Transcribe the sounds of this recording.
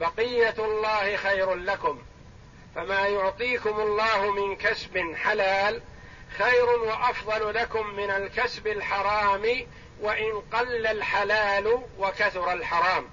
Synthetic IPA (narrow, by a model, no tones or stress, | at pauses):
bɑqɪjːalˤːɑːhɪxajɾʊnlakʊm | famaːjʊʕt̪ˤiːkʊmʊlˤːɑːhʊmɪnkasbɪnħalaːl | xajɾʊnwaʔɑfðˤɑlʊlakʊmːɪnalkasbalħɑɾˤɑːmɪ | waʔɪnqɑlːalħalaːlʊwakaθʊɾˤɑlħɑɾˤɑːm